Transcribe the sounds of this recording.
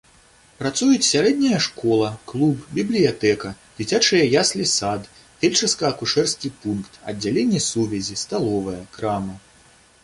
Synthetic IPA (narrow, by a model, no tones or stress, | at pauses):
pɾat̪sujut͡sʲsʲaɾɛd̪nʲɐjɐʂkɔlˠɐklˠubbʲiblʲijat̪ɛkɐ | d͡zʲit͡sʲat͡ʂɨjɐjaslʲisad̪ | tʲelʲt͡ʂɐskɐːkuʂɛrskʲipunkt̪ɐ̰dd͡zʲːalʲenʲːɛsuvʲɛzʲist̪alˠɔvɐjɐkɾamɐ